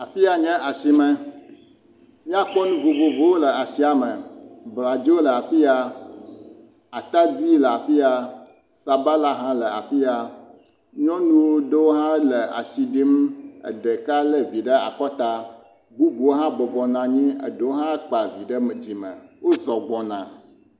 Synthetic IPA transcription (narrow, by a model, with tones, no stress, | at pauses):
a˨fi˦a˨ɲɛ̃˦ʔa˨si˨mɛ̃˨ | mĩ˦a˦k͡pɔ˦nũ˦vo˨vo˨vo˦wo˦lə˨a˨si˦a˨mə̃˨bla˨d͡ʒi˦wo˦lə˨a˨fi˦a˨ | a˨t̪a˦d͡ʑi˦lə˨a˨fi˦a˨ | sa˨ba˦la˦ɦã˦lə˨a̰˨fi˦a˨ | ɲɔ̃˦nũ˦wo˦ɖe˦wo˦ɦã˦lə˨a̰˨si˨ɖi˦mə̰˨ɖe˨ka˦lə˦vi˨ɖə˦a̰˨k͡pɔ˦t̪a˦ | bu˦bu˨wo˦ɦã˦bɔ˨bɔ˨nã˨ɲĩ˦ə̰˨ɖe˨wo˦ɦã˦k͡pa˨vi˨ɖə˦m˨d͡ʑi˨mə̃˨wo˦zɔ˨ɡ͡bɔ̃˨nã̰˨